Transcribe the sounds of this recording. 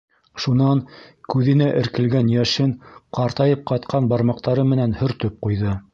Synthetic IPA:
ʃunɑnkʉðɘ̆næʔɘ̆ɾkɘ̆lɡænjæʃɘŋqɑɾt̪ɑjɤp̚qɑt̪qʰɑnbɑɾmɑq̚t̪ɑɾɤmɘ̆nænhɵ̆ɾt̪ɵp̚qujðɤ

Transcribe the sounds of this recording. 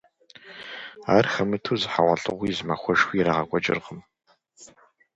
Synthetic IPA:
aːrxɐmɨtʰuːzɨħawʷɐɬʼɨ̰ʁʷiːzmaxʷɔʒxʷiːɾaːʁɐɡʷʼɔt͡ʃʼɪ̰rʁəm

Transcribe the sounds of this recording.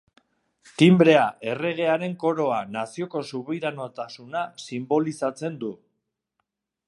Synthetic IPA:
t̪imbɾe̞aʔe̞re̞ɣ̞e̞aɾe̞ŋko̞ɾo̞anasio̞ko̞suβiɾanot̪asunasimbo̞lisat͡se̞nd̪u

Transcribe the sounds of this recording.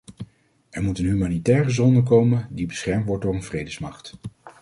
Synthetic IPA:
ɛɹmutənɦymaːnitɛːrəzɔndəkowməndibəsχɛɹmtʋɔɹtdʊːɹənvrejdəsmɑχt

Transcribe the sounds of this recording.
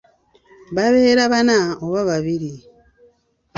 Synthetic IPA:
βaβeːɾaβanaoβaβaβiɾi

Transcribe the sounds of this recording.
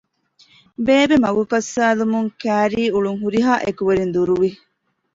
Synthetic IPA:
beːbemɐɡukɐsːaːlumuŋkæːɾiːuɭuŋɦuɾiɦaːʔekuʋeɾind̪uɾuʋi

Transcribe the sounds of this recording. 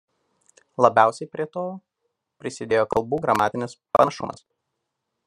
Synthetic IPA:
lˠɐbʲæˑʊsʲɛɪpʲɾʲiɛt̪oː | pʲɾʲɪsʲɪd̪ʲeːjoːkɐlˠbuːɡɾɐmɑːt̪ʲɪnʲɪspɐʃʊ̰mɐ̰s

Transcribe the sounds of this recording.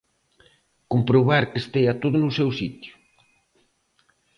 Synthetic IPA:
kompɾoβaɾkest̪ejat̪oðʊnusɛwsit̪ju̥

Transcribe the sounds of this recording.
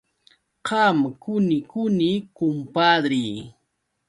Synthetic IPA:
hɑmkʊnɪkʊnikʊmpad̪ɾiː

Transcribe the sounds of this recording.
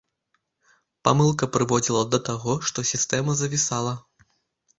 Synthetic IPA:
pa̰mɨlˠkɐpɾɨvɔd͡zʲilˠɐd̪ɐt̪aɣɔʂt̪ɔsʲist̪ɛmɐzɐvʲisalˠɐ

